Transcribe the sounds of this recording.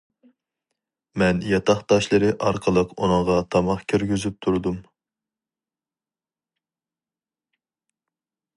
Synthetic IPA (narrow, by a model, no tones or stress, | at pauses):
mɛnjɑt̪ʰɑχt̪ɑʃlˠɨɾɨʔɑɾqʰəlˠəqṵnəŋʁɑt̪ʰɑmɑχkʲʰyɾɡʲyzyp̚t̪ʰuɾd̪um